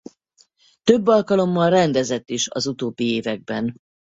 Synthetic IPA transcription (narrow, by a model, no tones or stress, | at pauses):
t̪øbːɒlkɒlo̞mːɒlrɛnd̪ɛzɛt̪ːiʃɒ̰zut̪oːbːieːvɛɡ̚bɛn